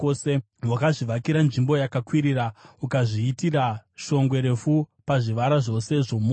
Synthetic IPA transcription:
ose | wakaʐiʋakiɾanʐimbo̞jakakwiɾiɾaukaʐiːtiraʃo̞ŋɡwe̞ɾe̞fupaʐiʋaɾaʐo̞se̞ʐomu

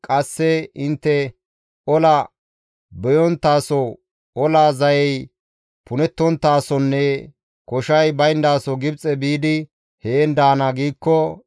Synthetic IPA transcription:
kʼɐsːɛɪnt̪ːɛ | ɔlɐ | bɛjɔnt̪ːaːsɔ | ɔlaːzɐjɛj | pʊnɛt̪ːɔnt̪ːaːsɔnːɛ | kɔʃɐjbɐjnd̪aːsɔɡɪbt͡sʼɛbiːd̪ɪ | heːnd̪aːnɐɡiːkːɔ

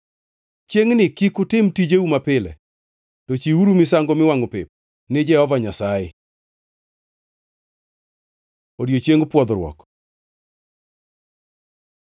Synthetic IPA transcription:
t͡ʃeŋnɪkikʊtɪmtid͡ʒeumapɪlɛ̰ | tɔt͡ʃiuɾumɪs̬aŋɡomɪwaŋopɪp̚ | nɪd͡ʒɛhɔvaɲasaɪ̰ | odjot͡ʃjeŋpwɔd̪ɾwɔ̰k

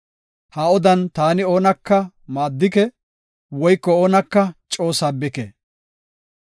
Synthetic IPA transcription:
haɔd̪ɐnt̪aːnɪo̞ːnɐkːɐ | maːd̪ːɪkɛ | wɔjkːɔoːnɐkːɐt͡ʃʼo̞ːsaːbɪkḛ

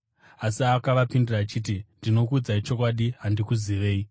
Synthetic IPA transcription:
asiakaʋapindiraːt͡ʃiːtindino̞kud͡zait͡ʃo̞kwaɗiɦandikuziʋe̞ːi

